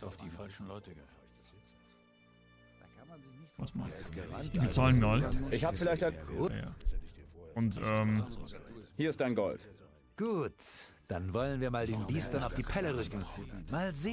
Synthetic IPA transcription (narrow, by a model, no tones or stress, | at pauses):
ʊfd̥iːfalʃn̩lɔtə | dnnɪasmaad̥iːbət͡saːlənɡɔltʔɪçhaːbəfɪlaɪçtḁa̰ | ʔʊntʔɛːm | hiːɐɪst̚d̥aɪnɡɔlt | ɡ̥uːt | d̥anvɔlənviːɐmaːldeːnbiːstɐnaʊfd̥iːpʰɛləʁʏkŋ̩maːlzeː